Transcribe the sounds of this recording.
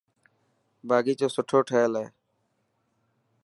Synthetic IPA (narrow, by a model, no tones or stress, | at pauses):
baːɡiːt͡ʃoːsʊʈʰoːʈʰəːlɛː